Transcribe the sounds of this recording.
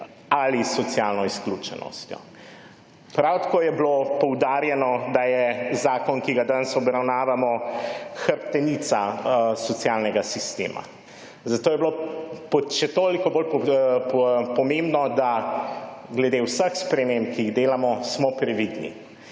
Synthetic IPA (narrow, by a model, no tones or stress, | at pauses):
alisːɔt̪sjalnɔisklut͡ʃɛ̰nɔ̰st̪jɔ̰ | pɾawt̪ḁkoːjɛblopɔwd̪aːɾjɛnɔd̪ajɛzaːkɔnkiɡad̪ansɔbɾawnaːʋamɔxəɾpt̪ɛnit̪sasɔt̪sjalnɛɡasist̪ḛːma̰ | zat̪oːjɛblopɔʃɛt̪oːlikɔbol | pɔmembnɔd̪a | ɡlɛd̪ewsəxspɾɛmempkiiɣd̪eːlamɔsmɔpɾɛʋid̪nḭ